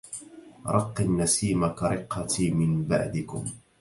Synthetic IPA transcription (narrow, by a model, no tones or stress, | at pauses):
ɾˤʔɑqːɪnːasiːmakaɾˤɪqːɑt̪imɪnba̰ʕd̪ɪkʊm